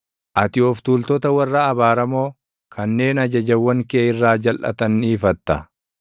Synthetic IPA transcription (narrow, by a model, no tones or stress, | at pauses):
ʔɐt̪ɪɔft̪uːlt̪ɔt̪ɐwɐrːɐːbaːɾɐmo̞ː | kʰɐnːe̞ːnɐd͡ʒɐd͡ʒɐwːɐŋkeːɪrːaːd͡ʒɐlʔɐ̰t̪ɐniːfɐt̪ːɐ